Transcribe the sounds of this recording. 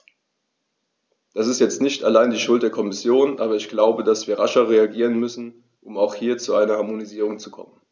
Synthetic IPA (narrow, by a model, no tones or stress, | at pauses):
d̥asɪstjɛt͡stnɪçtalaɪndiːʃʊltd̥eːɐkʰɔmɪsjoːnʔaːbɐɪçɡ̥laʊbədasv̥iːɐʁaʃɐʁ̞eaɡiːʁ̞ənmʏsn̩ | ʔʊmaʊxhiːɐt͡suaɪnɐhaɐmoniziːʁ̞ʊŋt͡sukʰɔ̰mən